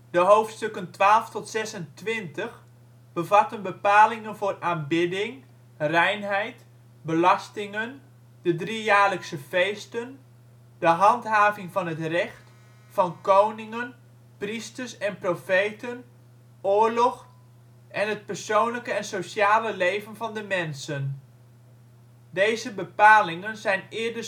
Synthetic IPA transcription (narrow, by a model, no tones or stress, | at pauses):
dəɦowftstøkəntʋaːlˠftɔtsɛsəntʋɪntəx | b̥əvatənbəpaːlɪŋənvʊːrʔaːnbɪdɪŋ | rɛjnɦɛjt | bəlɑstɪŋən | d̥ədrijaːrləksəfejstən | d̥əɦɑntɦaːvɪŋvɑnɦətrɛxt | fɑnkownɪŋən | pristərsɛnprofejtən | ʊːɹlɔx | ʔɛnɦət̚pərsownləkəɛnsowsjaːləlejvənvɑndəmɛnsən | dejzəbəpaːlɪŋənzɛjnɪːɹdə